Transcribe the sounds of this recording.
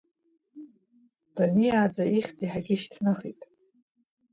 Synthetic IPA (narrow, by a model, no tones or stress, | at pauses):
d̥anijaːd͡zaiχʲd͡ziħaɡʲiʃtʰnaχitʼ